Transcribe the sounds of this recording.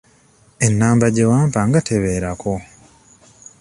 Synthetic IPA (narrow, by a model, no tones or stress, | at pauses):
e̞nːaːmbaɟe̞waːmpaŋɡatʰeβeːɾako